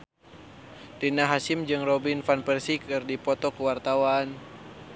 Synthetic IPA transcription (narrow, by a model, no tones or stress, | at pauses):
tinaɦasimd͡ʒɨŋrɔbinfanpɛrsikɨrdipɔt̪ɔkuwart̪awan